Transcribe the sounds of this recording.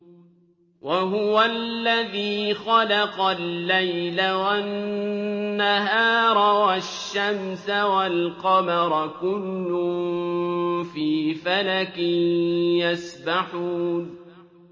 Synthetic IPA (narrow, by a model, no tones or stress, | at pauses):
waɦʊwalːaðiːxɑlɑqɑlːajlawa | aɦaːɾˤwaʃːamsawalqɑmɑɾˤkʊlːʊm | fiːfalakɪnjasbaħuːn